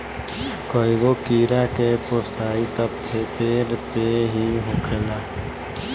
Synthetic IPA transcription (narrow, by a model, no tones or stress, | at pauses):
koːiɡokiːɾakeposaːit̪əpkʰepeːɾpeɦiɦʊkʰelaː